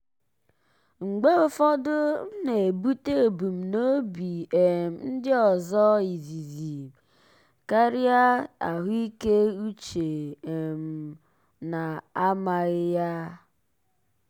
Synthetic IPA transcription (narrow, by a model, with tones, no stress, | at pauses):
ŋ͡m̩˨ɡ͡be˦ʊ˦fɔ˦dʊ˦ne˨e˨bu˦te˦o˨bu˨m̩˨no˦bi˨e˨m̩˨n̩˦dɪ˦ɔ˨zɔ˦i˨zi˨zi˨ | ka˦ɾɪ˦a˦a̰˨ɦʊ˦i˦ke˦u˦t͡ʃe˨e˨m̩˨ | na˨a˦ma˨ɣɪ˦ja˦